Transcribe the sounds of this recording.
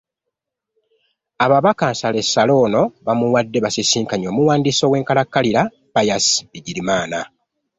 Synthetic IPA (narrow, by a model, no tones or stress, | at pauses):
aβaβakaːnsale̞sːalo̞ːno̞βamuwadːe̞βasisiːŋkaɲo̞ːmuwaːndiːso̞we̞ːŋkalakːaliɾa | pajasbiɟiɾimaːna